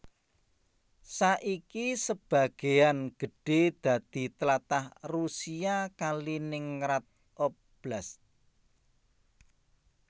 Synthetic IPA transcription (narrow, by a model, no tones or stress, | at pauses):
saʔikisəb̥ä̤ɡ̥e̤anɡ̥ə̤ɖ̥ed̪̥ä̤d̪̥i̤t̪əlat̪ahrusiakalinɪŋɾat̪̚ | ʔɔp | b̥las